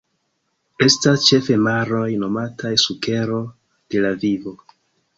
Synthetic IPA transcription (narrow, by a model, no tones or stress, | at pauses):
e̞stast͡ʃe̞fe̞maɾo̞jno̞matajsuke̞ɾo̞ | d̥e̞lavivo̞